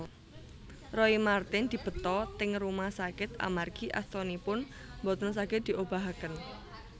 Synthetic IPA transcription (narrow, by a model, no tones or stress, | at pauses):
rɔimart̪ɪnd̪̥i̤b̥ə̤t̪ɔt̪ɪŋrumahsakɪt̪a̰marɡ̥iʔa̰st̪ɔnipʊn | mbɔt̪əns̬akɪt̪̚d̪̥i̤ʔob̥a̤ɦakən